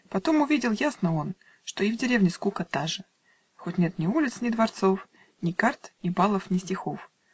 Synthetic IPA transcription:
pɐt̪o̞mʊvʲidʲɪlˠjasnəo̞n | ʂt̪o̞ɪvdʲɪɾʲevnʲɪskukət̪aʐɨ | xotʲnʲe̞t̪nʲɪulʲɪt̪snʲɪd̪vɐrt̪so̞f | nʲɪkart̪nʲɪbalˠəfnʲɪsʲtʲɪxo̞f

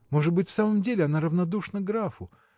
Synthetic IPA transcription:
mo̞ʐɨt̪̚bɨtʲfsaməmdʲelʲɪɐnaɾəvnɐd̪uʂnəɡɾafʊ

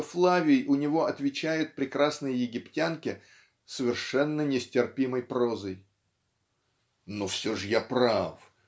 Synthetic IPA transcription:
flˠavʲɪjʊnʲɪvo̞ɐt̪vʲɪt͡ɕæjʊt̪̚pɾʲɪkɾasnɨjəjɪɡʲɪptʲankʲɪ | səvʲɪrʂɛnːənʲɪsʲtʲɪrpʲiməjpɾo̞zəj | nofsʲoʐəjapɾaf

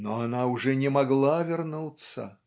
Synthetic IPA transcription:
noanaʊʐɛnʲɪmaɡlˠavʲɪrnut̪sːə̰

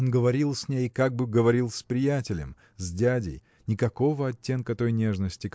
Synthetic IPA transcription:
onɡəvɐɾʲilˠsʲnʲejkaɡ̚bɨɡəvɐɾʲilˠsʲpɾʲɪjætʲɪlʲɪ̰m | zʲdʲædʲɪ̰j | nʲɪkɐko̞vəɐtʲːe̞nkət̪o̞jnʲe̞ʐnəsʲtʲɪk

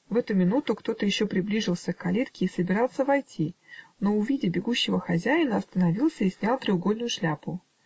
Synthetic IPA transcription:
vɛt̪ʊmʲɪnut̪ʊkt̪o̞t̪əjɪɕːopɾʲɪblʲiʐɨlˠsʲəkːɐlʲit̪kʲɪːsəbʲɪɾɑlˠsəvɐjtʲino̞ʊvʲidʲɪbʲɪɡuɕːɪvəxɐzʲæjɪnəɐst̪ənɐvʲilˠsʲəisʲnʲalˠt̪ɾʲɪʊɡolʲnʊjʊʂlʲapʊ

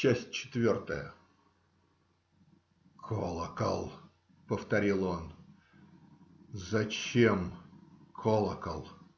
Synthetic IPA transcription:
t͡ɕæsʲt̚ʲt͡ɕɪ̥t̪vʲo̞rt̪ə̰jə̰ | kʰolˠəkə̰lˠ | pəft̪ɐɾʲilˠo̞n | zɐt͡ɕemkʰolˠəkə̰lˠ

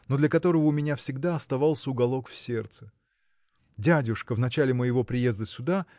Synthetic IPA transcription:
no̞d̪lʲəkɐt̪o̞ɾəvəʊmʲɪnʲafsʲɪɡd̪aɐst̪ɐvɑlˠsʲəʊɡɐlˠo̞kfsʲe̞rt̪sɨ̥ | dʲædʲʊʂkəvnɐt͡ɕælʲɪməjɪvo̞pɾʲɪje̞zd̪əsʲʊd̪a

